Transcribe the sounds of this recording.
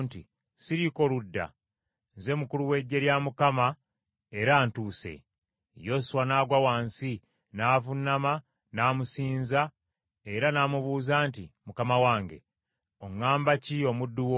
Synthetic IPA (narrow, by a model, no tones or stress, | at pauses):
nti | siɾiko̞ludːa̰ | nze̞mukuluwe̞ɟːe̞ɾjamukama | eɾaːntuːse̞̰ | jo̞suwanaːɡwawaːnsi | naːvunːama | naːmusiːnza | e̞ɾanaːmuβuːzaːntimukamawaːŋɡe̞̰ | oŋaːmbacio̞mudːuwo